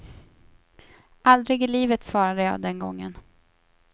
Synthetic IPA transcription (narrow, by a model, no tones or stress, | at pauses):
ʔald̪ɾɪɡɪliːvət̪svɑːɾad̪əjɑ̰ːd̪ɛnɡɔŋːə̰n